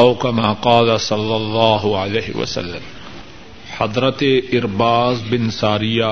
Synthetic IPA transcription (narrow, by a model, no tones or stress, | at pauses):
ʊkɐmaːqɑːlɐsɐlːɐlˤːɑːɦʊʕaleːɦɪ̰wɐ̰sɐ̰lːɐm | ħɐd̪ˤɾɐt̪eɪɾbaːzbɪnsaːɾɪja